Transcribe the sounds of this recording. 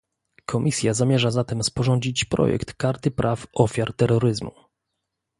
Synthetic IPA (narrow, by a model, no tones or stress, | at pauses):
kʰɔmʲʔisʲjazamʲjɛʐazat̪ɛmspɔʐɔɲd͡ʑit͡ɕpɾɔ̰jɛ̰kt̪kaɾt̪ɘpɾʔafɔfʲjaɾt̪ɛɾːɔɾɘzmṵ